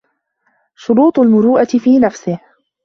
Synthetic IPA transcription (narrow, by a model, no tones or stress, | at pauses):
ʃʊɾuːt̪ˤʊlmʊɾuːʔat̪ɪfiːnafsɪh